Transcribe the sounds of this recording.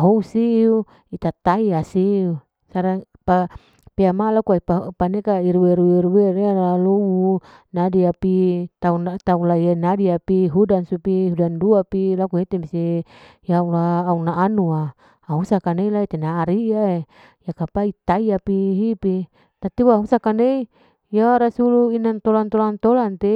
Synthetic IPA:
aɦousiu | it̪at̪aiasiu | saɾa | pa | peamalakuaipapanekaiɾuweɾueɾueɾealowu | nadiapit̪aunat̪aulaianadiapiɦudansupiɦudanduapilakuɦet̪emisejaulaːunaʔːnuaː | ɦusakaneilait̪enaːɾiae | jakapait̪aiapiɦipi | t̪at̪iwaɦusakanei | jaɾasuluinant̪olant̪olant̪olant̪e

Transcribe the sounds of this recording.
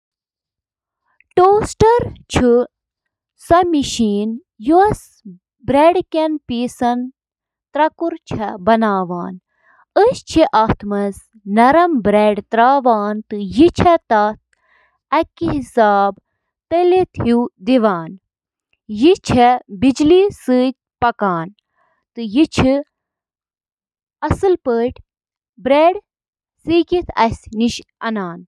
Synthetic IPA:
ʈoːsʈɐɾt͡ʃʰu | sɐmiʃiːn | juɐs | bɾeɖkʲɐnpiːsɐn | t̪ɾɐkuɾt͡ʃʰɐbɐnaːʋaːn | əst͡ʃʰiʔaːt̪ʰmɐz | nɐɾɐmbɾeːɖt̪ɾaːʋaːnt̪ɨjit͡ʃʰɐt̪ɐt̪̚ | ɐkːiɦisaːb | t̪əlit̪ʰhud̪iʋaːn | jit͡ʃʰɛbid͡ʒlisɨːt̪̚ʲ | pɐkaːn | t̪ɨjit͡ʃʰi | ɐsɨlpəːʈʰʲ | bɾeːɽ | siːkit̪ʰɐ̰sʲniʃɐ̰naːn

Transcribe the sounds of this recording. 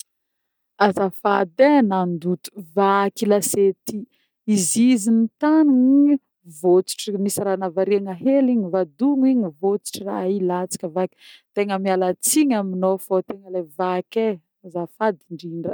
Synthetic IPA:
azafad̪enand̪ut̪u̥vakilaset̪i | izizinit̪anuni | vot͡si̥ʈ͡ʂinisɾanavaɾiaŋaɦeliɲivad̪uŋiɲivot͡si̥ʈ͡ʂirailat͡si̥kʲəvaki̥t̪eŋəmialat͡siɲaminofot̪eŋəlevake | azafad̪iɳɖ͡ʐiɳɖ͡ʐə

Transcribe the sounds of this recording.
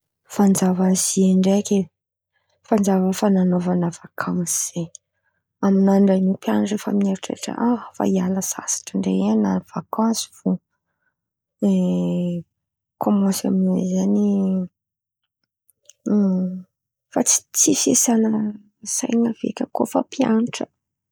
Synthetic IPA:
fand͡ʒavazieɳɖ͡ʐekʲe | fand͡zavəfananovanəv̥akʰamz̥e | aminaɳɖ͡ʐanipjanaʈ͡ʂəfa̰minaɾiʈ͡ʂḛʈ͡ʂə̰ʔaɦfa̰ialəsa̰sḁʈ͡ʂəɳɖ͡ʐeanav̥akʰãsi̥v̥u | e | kʰomãsa̰mizani | fat͡si̥t͡sisesanə | sa̰jŋəvḛkʲəkofəpjaniʈ͡ʂə̥

